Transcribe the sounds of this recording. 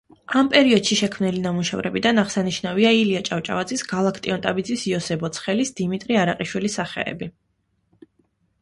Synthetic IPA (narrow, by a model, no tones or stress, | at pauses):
ampʼɛɾiɔd̪̥ʃiʃɛkʰmnilinamuʃɛ̰vɾɛ̰bid̪anaʁsaniʃnaviailiat͡ʃʼaft͡ʃʼa̰vad̪zisɡalˠakʰt̪ʼiɔnt̪ʼabid̪zisiɔsɛbɔt̪sʰχɛlisd̪̥imit̪ʼɾiaɾaqʼiʃwilisaχɛ̰ɛ̰bi